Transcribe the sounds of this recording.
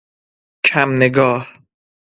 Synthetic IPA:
kʰamneɡɒːh

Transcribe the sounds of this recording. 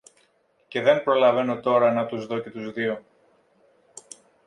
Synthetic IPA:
ce̞ðe̞mpɾo̞lɐve̞no̞t̪o̞ɾɐnɐt̪uzðo̞ce̞t̪uzðio̞

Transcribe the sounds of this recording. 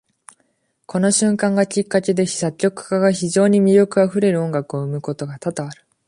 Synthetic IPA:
kʰo̞no̞ɕɨ̃ŋkãŋɡakʲikːake̞d̪e̞̥sakʲːo̞kɯ̟̥kaɡaçiʑo̞ːɲ̟imʲiɾʲjo̞kɯ̟aɸɯ̟ɾe̞ɾɯ̟õ̞ŋɡakɯ̟o̞ɯ̟mɯ̟ko̞t̪o̞ɡat̪at̪aβaɾɯ̟

